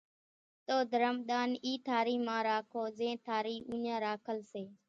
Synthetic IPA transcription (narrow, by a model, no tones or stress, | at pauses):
t̪oːd̪ʱəɾəmɗ̪aːniːt̪ʰaːɾiːmãːɾaːkʰoːzẽːt̪ʰaːɾiːʔuːɲãːɾaːkʰəlseː